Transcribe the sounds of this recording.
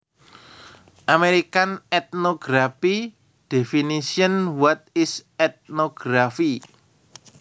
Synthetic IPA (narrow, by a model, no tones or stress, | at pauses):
ʔameɾikanɛt̪̚noɡ̥ɾafi | d̥efinisiənwat̪̚ɪsɛt̪̚noɡ̥ɾafi